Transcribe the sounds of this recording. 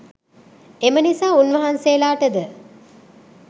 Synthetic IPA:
emənisaːunʋɐɦanseːlaːʈəd̪ə

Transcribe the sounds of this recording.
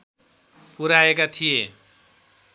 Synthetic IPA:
puɾaekat̪ʰije

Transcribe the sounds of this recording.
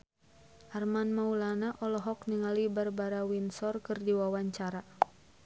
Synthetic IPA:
ʔarmanmaulanaʔɔlɔɦɔkniŋalibarbaɾawinsɔrkɨrdiwawaɲt͡ʃaɾa

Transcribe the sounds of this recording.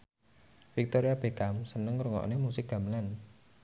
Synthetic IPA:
fik̚t̪oɾiab̥e̤kamsənəŋɾuŋɔ̰ʔnemusɪk̚ɡ̥ä̤məlan

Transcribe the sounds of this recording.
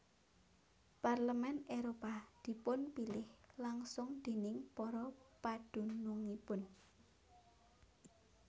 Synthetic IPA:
parləmɛneɾopad̪̥i̤pʊnpilɪhlaŋsʊŋd̪̥e̤nɪŋpɔɾɔpad̪̥ṳnuŋipʊn

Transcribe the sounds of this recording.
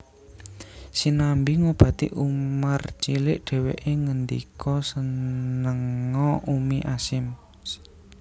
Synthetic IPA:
sinambiŋob̥ä̤t̪ḭʔumart͡ʃilɪʔɖ̥ɛ̤wḛʔeŋənd̪ḭkʰɔsənəŋɔʔumiʔasɪm

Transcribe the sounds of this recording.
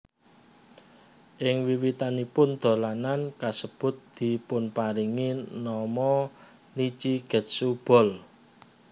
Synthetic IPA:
ʔɪŋwiwit̪anipʊnd̪̥o̤lanankasəb̥ʊ̤t̪̚d̪̥i̤pʊnpaɾiŋinɔmɔ | lit͡ʃiɡ̥ə̤t̪̚sub̥ɔ̤l

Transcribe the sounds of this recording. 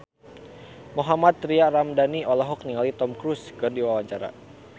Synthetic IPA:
moɦamat̪ːɾiaramdaniɔlaɦɔk̚niŋalit̪ɔmkɾuskɨrdiwawaɲt͡ʃaɾa̰

